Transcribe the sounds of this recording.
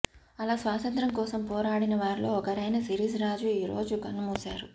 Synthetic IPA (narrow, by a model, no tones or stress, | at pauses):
ɐlaːsʋaːt̪ɐnt̪ɾɐmkɔːsɐmpɔːɾaːɽinɐʋaːɾilo̞ːɔkɐɾɐjnɐsiɾiːsɾaːd͡ʒuiːɾo̞̰ːd͡ʒukɐnːumuːsaːɾu